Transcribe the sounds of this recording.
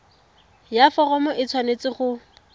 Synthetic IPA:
jafɔrɔmɔʔɪt͡sʰwanet͡sɪχʊ

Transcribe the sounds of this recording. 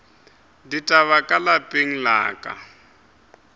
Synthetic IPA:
ditʼaβakʼalapʼeŋ̩la̰ːkʼa̰

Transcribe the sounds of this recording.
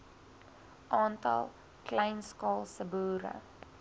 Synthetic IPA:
ʔɑːntɐ̰lˠ | klɛjnskɑːlˠsəbuːɾə̰

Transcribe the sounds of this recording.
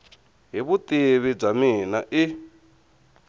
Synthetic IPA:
ɦiβut̪ʼiβib͡ʐaminaʔi

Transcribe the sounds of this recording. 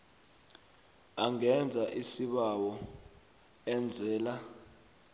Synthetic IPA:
aŋɛnd͡zʱaʔisiɓawɔ | ɛnd͡zʱɛːla

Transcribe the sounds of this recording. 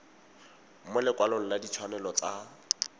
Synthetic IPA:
mɛlɪkwaloŋ̩ladit͡ʃʰwanɛlɔt͡sa

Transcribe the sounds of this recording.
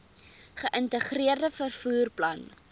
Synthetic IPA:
χəʔəntəχriərdəfərfuːrplɐn

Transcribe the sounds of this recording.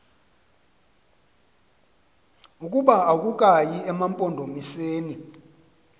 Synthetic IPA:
ukʼuɓaak̬ʼukʼajiɛmampʼɔndʱomiseːni

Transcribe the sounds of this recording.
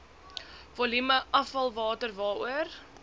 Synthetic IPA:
vɔlyməʔɐfɐlˠvɑːtərvɑːuər

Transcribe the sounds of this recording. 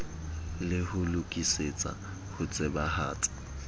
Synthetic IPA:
lɪhʊlʊkʼiset͡sʼa̰ | hʊt͡sʼɛbaha̰ːtʼḁ

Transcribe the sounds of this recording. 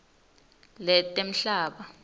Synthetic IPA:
lɛtʼem̩ɬaːɓa

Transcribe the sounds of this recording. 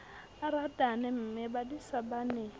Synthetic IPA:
aɾadanɛm̩mɛbadisabanɛ

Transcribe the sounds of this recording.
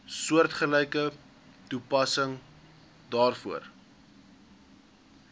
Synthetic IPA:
suərtχəlɛjkə | tupɐsəŋ | dɑːrfuər

